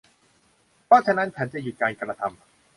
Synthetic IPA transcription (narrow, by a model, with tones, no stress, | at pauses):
pʰɔː˥˩t͡ɕʰa˧˩na˦˥npʰɛ˨˦nt͡ɕa˨˩ju˨˩t̪̚kaː˧nka˧ɾa˧t̪ʰa˧m